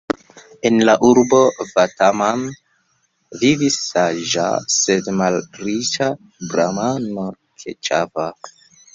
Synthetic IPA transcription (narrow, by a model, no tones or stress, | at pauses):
enlaʔuɾbo̞vataman | vivisːaʒa̰sedmalɾit͡ʃa | bɾamano | kʰḛt͡ʃava